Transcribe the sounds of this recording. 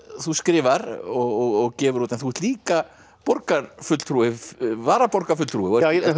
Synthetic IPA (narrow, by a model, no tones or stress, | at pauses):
θuskɾɪːvaɾɔɣɔɣɔɣcɛːvʏɾuːt̪ɛnθuɛɾt̪liːka | pɔɾkaɾfʏt̪l̥t̪ʰɾuːɪvaːɾapɔɾkaɾfʏt̪l̥t̪ɾuːɪɔ